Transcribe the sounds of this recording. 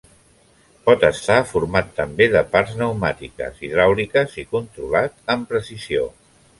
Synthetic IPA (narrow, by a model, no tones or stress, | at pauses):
pɔt̪əst̪afuɾmat̪ːəmbeðəpaɾznəwmat̪ikə̰ziðɾawlikəzikunt̪ɾulat̪̚əmpɾəsizio̰